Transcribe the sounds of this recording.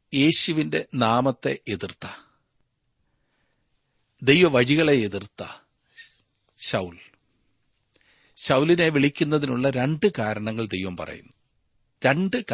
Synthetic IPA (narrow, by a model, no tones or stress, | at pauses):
je̞ːɕuʋinde̞naːmɐt̪ːe̞̰ʔeðirt̪ːɐ | d̪e̞jʋɐʋɐɻiɣɐɭeeðirt̪ːɐ | ɕɐwl | ɕɐwlineʋiɭikʲːunːɐðinuɭːɐɾe̞ɳɖɨkaːɾɐɳɐŋːɐɭd̪e̞jʋɐmpɐ̰rɐ̰jṵnːu | ɾe̞ɳɖɨk